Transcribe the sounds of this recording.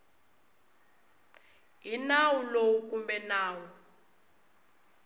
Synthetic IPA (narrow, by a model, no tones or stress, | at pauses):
inawulowuk̬ʼumbɛnaːwɔ